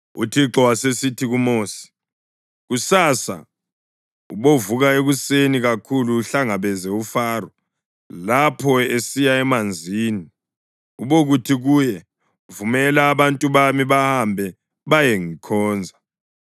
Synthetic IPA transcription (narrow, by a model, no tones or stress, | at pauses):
ṵtʰiǁɔwasesitʰiɣumoːsi̥ | ɣusaːsa̰ | uβovuɣaeɣuseniɣakʰuluːɬaŋaβɛzɛufaːrɔ | lapʰɔesijaɛmand͡zʱiːni | uβoɣutʰiɣujɛ | vumɛlaːβantʼuβamiβahambʱɛ | βajeŋikʰɔːnd͡zʱa